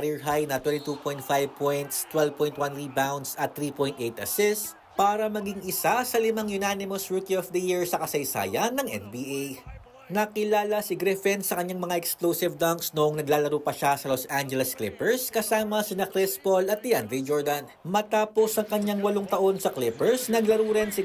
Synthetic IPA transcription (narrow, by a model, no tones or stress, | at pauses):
ɾiɹɦajnɐt̪wɛnt̪ɪt̪upojnt̪̚fajvpʰojnt̪st̪wɛlvpɔjnt̪want̪ɾibawnd̪sɐt̪ːɾiːpojnt̪ʔejt̪ʔɐsɪs | paːɾɐmɐɡɪŋɪsasɐlɪmaŋjʊnanɪmosɹukiofd̪ɐjiɹsɐkɐsɐjsa̰ːjɐnːɐŋʔɛ̰nbiːʔej | nɐkɪlaːlɐsɪɡɾɪfɛnsɐkɐɲːaŋmɐŋaʔɛksklosɪvd̪ɐŋksnoʔoŋnɐɡlaːlɐɾuːpɐʃasɐlosand͡ʒɛlɛsklɪpɛɹskɐsaːmɐsɪnɐkɾɪspolɐt̪̚d̪ɪand̪ɾijd͡ʒoɹd̪ɐnmɐt̪aːpo̞sɐŋkɐɲːaŋwɐloŋt̪ɐʔo̞nsɐklɪpɛɹsnɐɡlɐɾuːɾɪnsɪ